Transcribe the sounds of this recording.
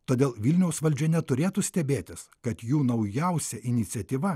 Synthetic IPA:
t̪oːd̪ʲeːlˠʋʲilʲnʲɛʊsʋɐlʲd͡ʒʲɛnʲɛt̪ʊɾʲeːt̪usʲt̪ʲɛbʲeːt̪ʲɪskɐt̪juːnɐʊjɛʊsʲɛʔɪnʲɪt̪sʲɛt̪ʲiːʋɐ

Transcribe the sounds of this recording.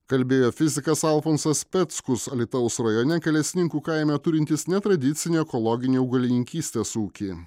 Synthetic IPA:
kɐlʲbʲeːjoːfʲɪzʲɪkɐsɐlˠfoːnsɐspʲɛt̪skʊsɐlʲɪt̪ɐʊsɾɐjoːnʲɛkʲɛlʲɛsʲɪnʲɪŋkuːkɐɪmʲɛt̪ʊɾʲɪnʲt̪ʲɪsnʲɛt̪ɾɐd̪ʲɪt̪sʲɪnʲeːɛkɔlˠɔɡʲɪnʲeːʊɡɐlʲɪnʲɪŋʲkʲiːsʲt̪ʲeːsuːkʲiː

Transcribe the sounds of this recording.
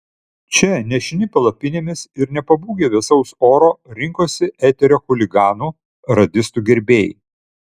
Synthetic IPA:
t͡ʃʲɛnʲɛʃʲɪnʲɪpʲɛlˠɐpʲɪnʲeːmʲɪsɪɾnʲɛpɐbuːɡʲeːʋʲɪsɐʊsoːɾoːɾʲɪŋkoːsʲɪɛt̪ʲɛɾʲoːxʊlʲɪɡɑːnuː | ɾɐd̪ʲɪst̪uːɡʲɛɾʲbʲeːjɪ̰

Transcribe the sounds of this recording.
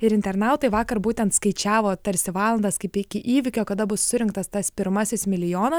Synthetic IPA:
ɪɾɪnʲt̪ʲɛɾnɑˑʊt̪ɐɪʋɑːkɐrbuːt̪ʲɛnt̪skɐɪt͡ʃʲæːʋoːt̪ɐɾʲsʲɪʋɑːlˠɐnd̪ɐskɐɪpɪkʲɪʔiːʋʲɪkʲoːkɐd̪ɐbʊsːʊɾʲɪŋkt̪ɐst̪ɐspʲɪɾmɐsʲɪsmʲɪlʲɪjoːnɐs

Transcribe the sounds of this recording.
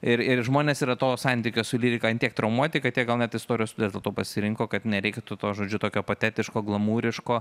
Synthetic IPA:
ɪɾɪɾʒmoːnʲeːsiːɾɐt̪oːsɐnʲt̪ʲikʲoːsʊlʲiːɾʲɪkɐnʲt̪ʲiɛk̚t̪ɾɐʊmuɔt̪ʲɪkɐt̪ʲiɛɡɐlˠnʲɛt̪ɪst̪oːɾʲɪjost̪ʊd̪ʲijːsd̪ʲɛlˠt̪oːpɐsʲɪɾʲɪŋkoːkɐt̪nʲɛɾʲɛɪkʲt̪ut̪oːʒoːd͡ʒʲʊt̪oːkʲoːpot̪ʲæːt̪ʲɪʃkoːɡlˠɐmuːɾʲɪʃkoː

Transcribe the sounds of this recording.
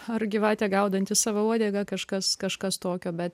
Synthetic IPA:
ɐrɡʲɪʋɑːt̪ʲɛːɡɐʊd̪ɐnʲt̪ʲɪssɑːʋɐuɔd̪ʲeːɡɐkɐʃkɐskɐʃkɐst̪oːkʲoːbʲɛt̪

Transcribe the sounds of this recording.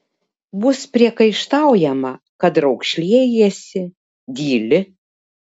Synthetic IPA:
bʊspʲɾʲiɛkɐɪʃt̪ɑʊjɛmɐ | kɐd̪ɾɐʊkʃʲlʲiɛjesʲɪ | d̪ʲiːlʲɪ

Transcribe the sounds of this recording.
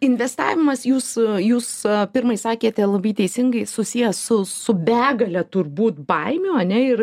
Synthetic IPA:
ɪnʲʋʲɛst̪ɑ̰ːʋʲɪmɐsjuːsjuːspʲɪrmɐɪsɑːkʲeːt̪ʲɛlˠɐbɐɪt̪ʲɛɪsʲɪŋɡɐɪsʊsʲijɛsʊsʊbʲæːɡɐlʲɛt̪ʊrbuːt̪̚bɐɪmʲoːɐnʲɛɪr

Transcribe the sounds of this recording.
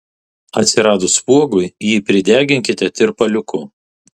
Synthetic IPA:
ɐt̪ʲsʲɪɾɑːd̪ʊspuɔɡʊɪjiːpʲɾʲɪd̪ʲæːɡʲɪŋʲkʲɪt̪ʲɛt̪ʲɪɾpɐlʲʊkʊ

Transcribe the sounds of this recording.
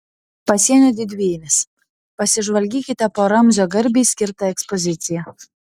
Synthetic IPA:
pɐsʲiɛnʲoːd̪ʲɪd̪ʲʋʲeːjɪmʲɪs | pɐsʲɪʒʋɐlʲɡʲiːkʲɪt̪ʲɛpoːɾɐmʲzʲoːɡɐɾʲbʲiːsʲkʲɪɾt̪ɐɛkspɔzʲɪt̪sʲɪjɛ

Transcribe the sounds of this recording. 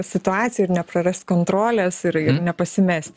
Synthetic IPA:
sʲɪt̪ʊɑːt̪sʲjɛɪrnʲɛpɾɐɾʲɛsʲt̪ʲkoːnt̪ɾoːlʲɛsɪɾɪnʲɛpɐsʲɪmʲɛsʲt̪ʲ

